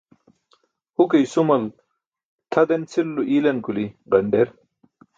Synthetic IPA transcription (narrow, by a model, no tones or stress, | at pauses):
hukejsumɐl | t̪ʰɐd̪ent͡sʰilːuʔilɐnkuliʁɐɳɖeɾ